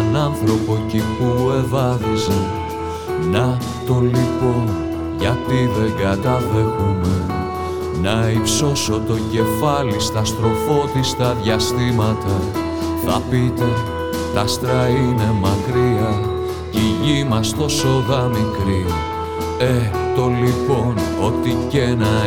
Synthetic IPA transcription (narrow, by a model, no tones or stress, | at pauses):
enɐnθɾo̞po̞cipue̞ðɐðizɐ | nɐft̪o̞lipo̞n | ʝɐt̪iðe̞ŋɡɐt̪ɐðexume | nɐipso̞so̞t̪o̞ɟe̞fɐlist̪ɐst̪ɾo̞fo̞t̪ist̪ɐðʝɐst̪imɐt̪ɐ | θɐ̰pit̪e̞ | t̪ɐst̪ɾɐine̞mɐkɾiɐ | ciʝimɐst̪o̞so̞ðɐmikɾi | e | t̪o̞lipo̞no̞t̪ice̞nɐ